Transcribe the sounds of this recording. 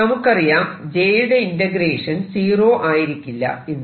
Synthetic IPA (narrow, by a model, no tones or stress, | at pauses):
ɐmukːɐrijaːmd͡ʑeːjuɽeindɐɡɾeːʂɐnsiːro̞ːʔaːjiɾikʲːilːɐ̰inː